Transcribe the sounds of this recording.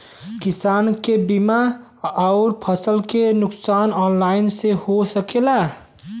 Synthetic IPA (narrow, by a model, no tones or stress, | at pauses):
kisaːnkebima | ɔʊɾpʰəsəlkenʊksaːnɔnlaɪnsehosəkela